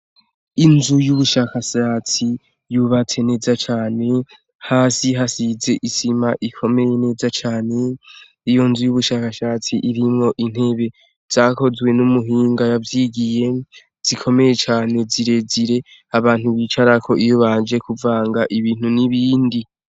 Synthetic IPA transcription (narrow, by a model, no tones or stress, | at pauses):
inzujuβuʃakaʃaːt͡si | juβat͡se̞ne̞ːzat͡ʃaːne̞ | haːsiɦasize̞ʔisimaʔikʰo̞me̞je̞ne̞ːzat͡ʃaːne̞ | ijo̞nzujuβuʃaːkaʃaːt͡siʔiɾimŋo̞ʔin̥he̞βe̞ | z̥aːko̞zwe̞numuɦiːŋɡajavjiɡije̞ | z̥ikʰo̞me̞je̞t͡ʃaːne̞ziɾe̞ziɾe̞ | aβaːn̥huβiːt͡ʃaɾakʰo̞ʔijoβand͡ʒe̞kuvaːŋɡaʔiβiːn̥uniβiːndi